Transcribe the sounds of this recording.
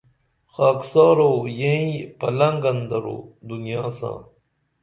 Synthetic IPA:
xaːksɑːɾojẽĩpɐlɐŋɡɐnd̪ɐɾo̰ːd̪unijaːsã̰ː

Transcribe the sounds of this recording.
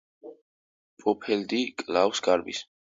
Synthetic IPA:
pʼɔpʰɛld̪ikʼlawsɡaɾbḭs

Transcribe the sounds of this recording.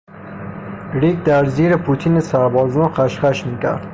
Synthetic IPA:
ɾik̚d̪aɾziɾɪpʰut̪ʰinisaɾbɒznɔqʰaʃχaʃmikʲʰa̰ɾd̪̥

